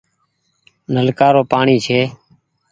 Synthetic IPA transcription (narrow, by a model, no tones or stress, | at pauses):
nəlkaːɾoːpaːɳiːt͡ʃʰeː